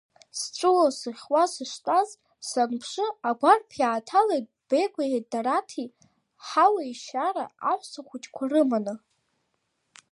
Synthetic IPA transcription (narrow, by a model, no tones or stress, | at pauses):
sʈ͡ʂʷʼɨlosɨχʲwasɨʂtʼazʼ | sanpʰʂɨaɡʷarpʰjaːtʰalejt̚ʼb̥ejɡʷaedaɾatʰi | ħawaiʃaɾa̰aħʷsʰaχʷut͡ʃʼkʷʰarɨmanɨ